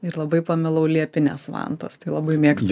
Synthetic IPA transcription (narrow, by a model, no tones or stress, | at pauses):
ɪɾlˠɐbɐɪpɐmʲɪlˠɐʊlʲiɛpʲɪnʲɛsʋɑ̰nt̪ɐ̰st̪ɐɪlˠɐbɐɪmʲiɛkst̪